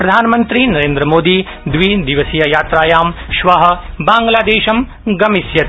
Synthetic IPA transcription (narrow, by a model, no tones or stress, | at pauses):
pɾɐd̪ʱaːnɐmɐnt̪ɾinɐɾeːnd̪ɾɐmoːd̪iː | d̪ʋid̪iʋɐsijɐjaːt̪ɾaːjaːmʃʋɐɦɐ̆baːŋɡlaːd̪eːʃɐm | ɡɐmisjɐt̪